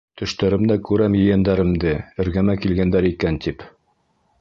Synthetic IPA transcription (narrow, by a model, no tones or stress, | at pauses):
t̪ʰɵ̆ʃt̪æɾɘ̆md̪ækʉɾæmjɘ̆jænd̪æɾɘ̆md̪ɘɘ̆ɾɡæmækilɡænd̪æɾikænt̪ip